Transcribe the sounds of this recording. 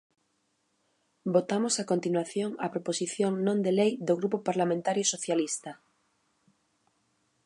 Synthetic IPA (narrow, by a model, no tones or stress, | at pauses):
bot̪amosakont̪inwaθjoŋa̰pɾoposiθjõŋnõnd̪elejd̪oɣɾupopaɾlamẽnt̪aɾjosoθjalist̪a